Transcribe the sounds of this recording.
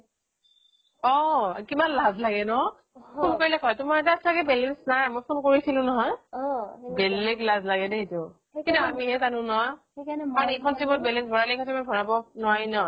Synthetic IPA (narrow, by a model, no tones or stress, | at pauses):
ɔkibanlazlaɡɛnɔ | ulkaɹilɛkʰɔjtʊmaɹɛt̬asaɡɛbɛlɛnsnaɹmɔjpʰɔmkoɹisilʊ̃nɔɦɔj | bɛlːeɡlazlaɡɛdɛɦitʊ | kitaamiɦɛtanʊ̃nɔa | naɹekʰɔnsibɔt̚bɛlɛnsbʱɔɹalɛekʰɔ̃nsʰimabʱɔɹabɔnɔajnɔ